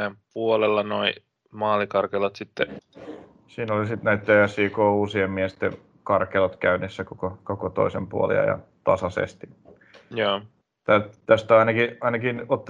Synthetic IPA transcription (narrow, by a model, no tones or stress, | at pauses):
empuolelːɑnoi | mɑːlikɑrkelɑt̪sit̪ːe | siːnolisit̪næit̪ːeæsːiːkoːuːsiemmiest̪ḛ | kɑrkelot̪kæynesːækokokokot̪o̰isempuolḭɑ̰jɑ̰t̪ɑsɑsḛst̪i̥ | jaː | t̪æt̪æst̪æɑinɑkiɑinɑkinot̪ː